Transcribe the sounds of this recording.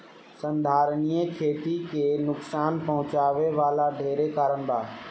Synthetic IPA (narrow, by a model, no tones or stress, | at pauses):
sə̃nd̪ʱaːɾnijekʰeːt̪ikenʊksaːnpɐɦʊ̃t͡ʃaːʋeʋaːlaɖʱeːɾekaːɾəɳb̪aː